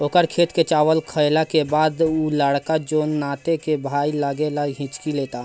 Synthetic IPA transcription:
oːkəɾkʰeːt̪ket͡ʃawəlkʰəɪlakebaːd̪uləɽkad͡ʒoːnːaːt̪ekebʱailəɡelaɡɦĩt͡ʃkileːt̪a

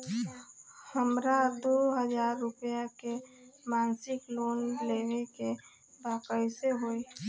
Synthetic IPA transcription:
həmɾad̪oɦəd͡ʒaːɾːʊpjake | maːnsɪkloːnleːʋeke | baːkəiseɦoːi

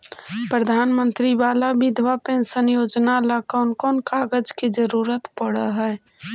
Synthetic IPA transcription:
pɾəd̪ʱaːnmə̃nt̪ɾiʋaːlabɪd̪ʱʋapẽsənjoːd͡ʒnalakɔːnkɔːnkaːɡəd͡ʒkid͡ʒəɾuːɾət̪pəɽəɦɛː

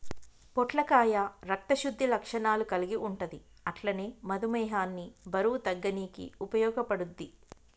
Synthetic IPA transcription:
pɔʈlɐkaːjaɾɐk̚t̪ɐʃud̪ːilɐkʂɐnaːlukɐliɡiʔuɳʈɐd̪iɐʈlɐneːmɐd̪umɛːɦaːnːibɐɾuːt̪ɐɡːɐniːkḭupɐjɔːɡɐpɐɽud̪ːi

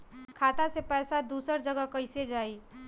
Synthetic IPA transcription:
kʰat̪asepɛjsad̪usəɾd͡ʒəɡakəjsed͡ʒaj

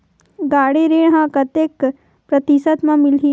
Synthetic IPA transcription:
ɡaːɽeɾeːɽɦãkɐt̪jek | pɾɐt̪isət̪mãmɪlɦi

